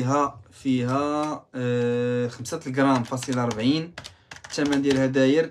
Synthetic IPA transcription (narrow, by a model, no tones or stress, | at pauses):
ɦæfiɦæ | xəmsət̪lɡɾˤɑmfɑsˤəlʔɑɾˤbʕin | t̪æmːæd̪jælhæd̪æjəɾ